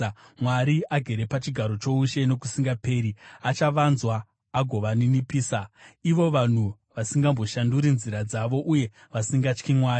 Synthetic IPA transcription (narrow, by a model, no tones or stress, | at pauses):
mwaɾiaɡʱe̞ɾe̞pat͡ʃiɡʱaɾo̞t͡ʃo̞uʃe̞no̞kusiŋɡape̞ːɾiat͡ʃaʋanzwaː | ɡʱo̞ʋaninipiːsaiʋo̞ʋan̤u | ʋasiŋɡambo̞ʃanduɾinziɾad͡zaʋo̞ʔuje̞ | ʋasiŋɡat͡ʃkimwaːi